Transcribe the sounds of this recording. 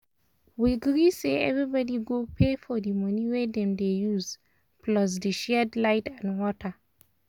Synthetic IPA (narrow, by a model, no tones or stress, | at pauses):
wiɡɹiseɛ̰vɹibɔdiɡopʰefɔdimʌniwedɛ̃mdejuz | plɔs̬deʃɛdlaɪtãnwɔtʰə